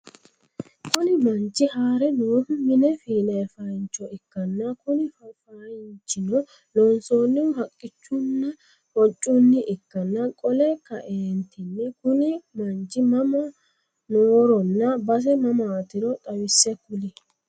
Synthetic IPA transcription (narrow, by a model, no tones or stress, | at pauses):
kʊnɪmɐnt͡ʃːɪhaːɾɛnoːmɪnɛfiːnɐfɐjnt͡ʃːɔɪkːɐnːɐkʊnɪffajnt͡ʃːɪnɔ | lɔnsoːnːɪwʊɦɐkʼːɪt͡ʃːʊnːɐ | hɔt͡ʃʼːʊnːɪʔɪkːɐnːɐkʼɔlɛkːɐ̰ʔeːnt̪ʰɪnːɪkʊnɪmɐnt͡ʃːɪmɐmɐ | noːɾɔnːɐbɐs̬ɛmɐmaːt̪ɪɾɔt̪ʼɐwɪsːɛkʊlɪ